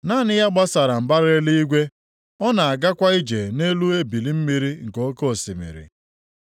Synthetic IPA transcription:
naː˦˨nɪ˦ja˦ɡ͡ba˦sa˨ɾa˨m̩˨ba˦ɾe˦li˦i˦ɡʷe˦ | ɔ˦na˨a˨ɡa˦kʷa˦i˦d͡ʒe˨ne˦lu˦e˦bi˨li˦m̩˦mi˦ɾi˦ŋ̩˨ko˦ko˦˨si˨mḭ˨ɾḭ˨

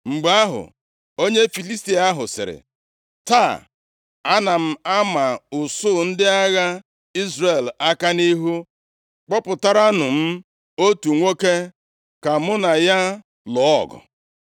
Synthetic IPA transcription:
ŋ͡m̩˨ɡ͡ba˦ɦʊ̰˨ | o˦ɲe˦fi˨li˦sti˦a˦ɦʊ˨sɪ̰˨ɾɪ̰˨ | ta˦˨ | a˦na˨m̩˦a˦ma˨ʊ˨sʊ˦˨n̩˦dɪ˦a˦ɣa˦ | i˦zre˨la˦ka˦ni˦ɦu˦ | k͡pɔ˦pʊ˨ta˦ɾa˦nʊ˨m̩˦ | o˦tu˨ŋʷo˦ke˦ | ka˨mʊ˦na˨ja˦ | lɔ˨˦ɔ̰˨ɡɔ̰˨

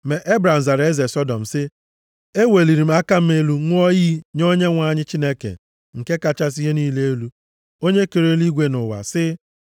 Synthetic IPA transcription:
me˨ʔe˦bɾa˨m̩˨za˨ɾe˦ze˨sɔ˦dɔ˨m̩˨sɪ˦ | e˦we˨li˨ɾi˨m̩˦a˦ka˦m̩˦me˦lu˦ŋʷʊ˦ɔ˦jiː˦ɲo˦ɲe˦ŋʷa˦˨ɲɪ˦t͡ʃi˦ne˦kḛ˨ | ŋ̩˨ke˦ka˨t͡ʃa˦s̬i˦ɦe˦niː˦le˦e˦lu˦ | o˦ɲe˦ke˨ɾe˦li˦ɡʷe˦nʊ˨wa̰˨sɪ˦

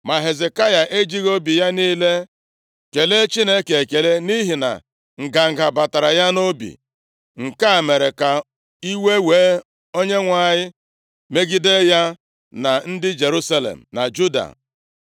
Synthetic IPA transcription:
ma˨ɦe˨ze˨ka˦ja˨ʔe˦d͡ʒi˦ɣo˦bi˨ja˦niː˦le˦ | ke˨le˦t͡ʃi˦ne˦ke˨e˨ke˨le˦ni˦ɦi˨na̰˨ | ŋ̩˨ɡa˨ŋ̩˨ɡa˨ba˨ta˨ɾa˨ja˦no˦bḭ˨ | ŋ̩˨ka˦˨me˨ɾe˨ka˨ | i˦we˦weː˨˦ | o˦ɲe˦ŋʷa˨ɲɪ˦ | me˦ɡi˦de˦ja˦ | na˨n̩˦dɪ˦d͡ʒe˨ɾu˦sa˦lḛ˨m̩˨na̰˨d͡ʒu˦da̰˨

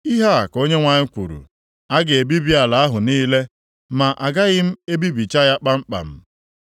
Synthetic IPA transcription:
i˦ɦa˦a˨ko˦ɲe˦ŋʷa˨ɲɪ˦kʷu˨ɾṵ˨ | a˦ɡɪ˨e˨bi˦bi˦a˨la˨a˦ɦʊ˨niː˦le˦ | ma˨ʔa˨ɡa˦ɣɪ˦m̩˦e˦bi˦bi˨t͡ʃa˦ja˦k͡pa˦ŋ͡m̩˦k͡pa̰˨m̩˦

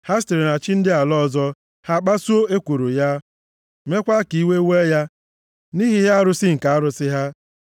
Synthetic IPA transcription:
ha˦s̬te˨ɾi˨na˨t͡ʃɪ˦n̩˦dɪ˦a˨lɔ˦˨zɔ˦ | ha˦k͡pa˦su˦o˦e˦kʷu˨ɾo˨ja˦ | me˦kʷa˦ki˨i˦we˦we˦ja˦ | ni˦ɦi˦ɦa˦a˦ɾʊ˦sɪ˦ŋ̩˨ka˨a˦ɾʊ˨˦sɪ˦ɦa˦

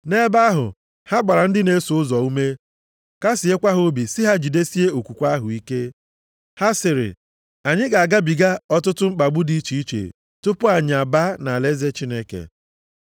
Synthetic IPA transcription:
ne˦ba˦ɦʊ̰˨ | ha˦ɡ͡ba˨ɾa˨n̩˦dɪ˦ne˦sʊ˦zɔ˨u˦me˦ | ka˦si˨e˦kʷa˦ɦo˦o˦bi˨sɪ˦ɦa˦d͡ʒi˨de˦si˦e˦o˨kʷu˨kʷa˦ɦʊ˨i˦ke˦ | ha˦sɪ˨ɾɪ̰˨ | a˨ɲɪ˦ɡa˨a˨ɡa˦bi˨ɡa˦ɔ˦tʊ˦tʊ˦ŋ͡m̩˦k͡pa˨ɡ͡bu˦di˦t͡ʃi˨i˦t͡ʃḛ˨ | tʊ˦pʊ˦a˨ɲɪ˨a˨ba˦na˨le˦ze˦t͡ʃi˦ne˦kḛ˨

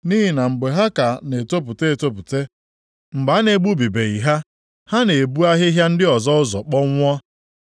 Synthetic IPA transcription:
ni˦ɦi˨na˨ŋ͡m̩˨ɡ͡be˨ɦa˦ka˨ne˨to˦p̬u˨te˦e˨to˦p̬u˨te˦ | ŋ͡m̩˨ɡ͡ba˨˦ne˨ɡ͡bu˦bi˨be˨i˨ɦa˦ | ha˦ne˨bu˦a˦ɦɪ˦ɦja˦n̩˦dɪ˦ɔ˨zɔ˦ʊ˦zɔ˨k͡pɔ˦ŋʷ˦ɔ˦

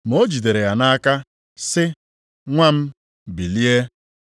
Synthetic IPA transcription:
m̩˨o˦d͡ʒi˨de˨ɾe˨ja˨na˦a˦ka˦ | sɪ˦ | ŋʷa˦m̩˦ | bi˨li˦e˦

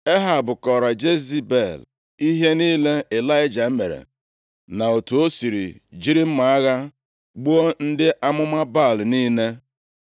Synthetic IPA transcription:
e˦ɦa˨bʊ˨kɔ˨ɾa˨d͡ʒe˦zi˦be˦˨l | i˦ɦe˦niː˦le˦e˨la˦ɪ˦d͡ʒa˨m̩˦me˨ɾḛ˨ | na˨o˨tu˨o˦si˨ɾḭ˨d͡ʒi˦ɾi˦m̩˦ma˨a˦ɣa˦ | ɡ͡bu˦o˦n̩˦dɪ˦ʔa˦mʊ˦ma˦ba˦˨lniː˦ne˦

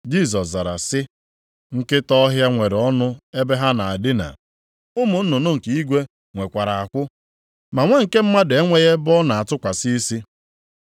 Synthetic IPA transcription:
d͡ʒi˦˨s̬ɔ˨s̬za˨ɾa̰˨sɪ˦ | ŋ̩˦kɪ˦tɔ˦ɦja˦ŋʷe˨ɾɔ˦nʊ˦e˦be˦ɦa˦na˨a˨dɪ˦na̰˨ | ʊ˦mʊ˨n̩˦nʊ˨nʊ˦ŋ̩˨ki˨i˦ɡʷe˦ | ŋʷe˨kʷa˨ɾa˨a˨kʷʊ˦ | ma˨ŋʷe˦ŋ̩˨ke˦m̩˦ma˦de˦ŋʷe˦ɣe˦bɔ˦na˨a˨tʊ˦kʷa˨si˦i˦si˦

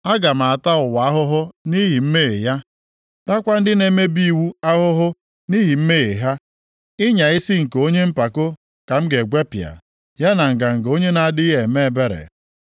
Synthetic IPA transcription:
a˦ɡa˨m̩a˨a˨ta˦ʊ˨wa˨a˦ɦʊ˦ɦʊ˦ni˦ɦi˨m̩˦me˦˨e˨ja˦ | ta˦kʷa˦n̩˦dɪ˦ne˨me˦bi˦˨wu˦a˦ɦʊ˦ɦʊ˦ | ni˦ɦi˨m̩˦me˦˨e˨ɦa˦ | ɪ˦ɲa˨ɪ˦si˦ŋ̩˨ko˦ɲe˦m̩˦pa˨ko˦ | ka˨m̩˦ɡe˨ɡʷe˦pja̰˨ | ja˦na˨ŋ̩˨ɡa˨ŋ̩˨ɡo˦ɲe˦na˨a˦˨dɪ˦ɦe˨me˦e˦˨be˦ɾḛ˨

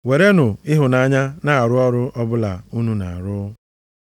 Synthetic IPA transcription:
we˨ɾe˦nʊ˨ɪ˦ɦʊ˨na˨ɲa˦na˦˨a˨ɾʊ˦ɔ˦ɾʊ˦ɔ˦bʊ˦la˨u˦nu˦na˨a˨ɾʊ˦

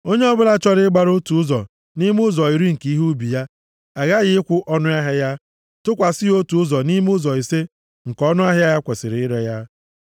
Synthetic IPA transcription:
o˦ɲe˦ɔ˦bʊ˦la˦t͡ʃɔ˦ɾɪ˦ɡ͡ba˦ɾo˦tu˨ʊ˦zɔ˨ | ni˦m˦ʊ˦zɔ˨i˨ɾi˦ŋ̩˨ki˦ɦu˦bi˨ja˦ | a˨ɣa˦ɣɪ˦ɪ˦kʷʊ˦ʔɔ˦nʊ˦a˦ɦe˦ja˦ | tʊ˦kʷa˨sɪ˦o˦tu˨ʊ˦zɔ˨ni˦m˦ʊ˦zɔ˨i˨se˦ | ŋ̩˨kɔ˦nʊ˦a˦ɦɪ˦a˦ja˦kʷe˨sɪ˨ɾɪ˨ɪ˦ɾe˨ja˦

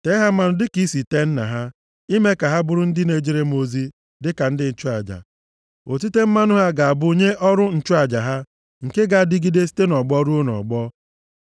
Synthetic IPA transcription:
te˦ɦa˦ma˨nʊ˨dɪ˦ki˦si˨te˦n̩˦na̰˨ɦa˦ | i˦me˦ka˨ɦa˦bʊ˦ɾʊ˦n̩˦dɪ˦ne˨d͡ʒi˦˨ɾe˦mo˦zi˦ | dɪ˦ka˨n̩˦dɪ˦n̩˨t͡ʃʊ˦a˨d͡ʒa̰˨ | o˨t̬i˦te˦m̩˦ma˦nʊ˦ɦa˦ɡa˨a˨bʊ˦o˦ɲe˦ʔɔ˦ɾʊ˦n̩˨t͡ʃʊ˦a˨d͡ʒa˨ɦa˦ | ŋ̩˨ke˦ɡa˨dɪ˦ɡi˦de˦si̥˦te˦nɔ˨ɡ͡bɔ˦ɾu˦o˦nɔ̰˨ɡ͡bɔ˦

